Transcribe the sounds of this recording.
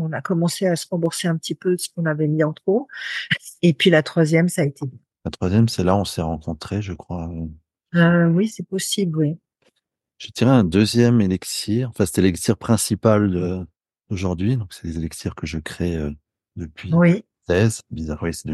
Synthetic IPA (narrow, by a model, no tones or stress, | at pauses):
ɔ̃nakɔmɑ̃seasəʁɑ̃buʁseɛ̃pət̪ipøskɔ̃navɛmiɑ̃t̪χo | epɥilat̪χwazjɛmsaːet̪ebɛ̃ | lat̪χwazjɛmsɛlaɔ̃sɛʁɑ̃kʰɔ̃t̪χeʒəkχwa | øwisɛpɔsiblwi | ʒ̥ət̪iʁeɛ̃d̪øzjɛmelɛksiʁɑ̃fɛ̃sɛ̥t̪ɛlɛksiʁpχɛ̃sipald̪ə | d̪̥oʒuʁd̪ɥid̪ɔ̃ksɛ̥d̪ezelɛksiʁkəʒəkχeø | d̪əpɥiwi | ɛzbizaʁwɛsɛd̪